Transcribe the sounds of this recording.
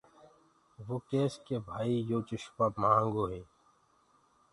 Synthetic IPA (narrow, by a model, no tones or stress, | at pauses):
ʋoːkeːskebʱaːijoːt͡ʃɪʃpamaãːŋɡoːɦeː